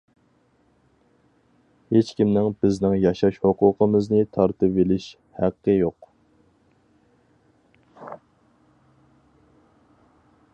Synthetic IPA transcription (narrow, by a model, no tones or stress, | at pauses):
het͡ʃkʲimnɪŋbɪznɪŋjɑʃɑʃhoqʊːqʰəmɨznɨt̪ʰɑɾt̪ɨpelɪʃ | hæqːəjoq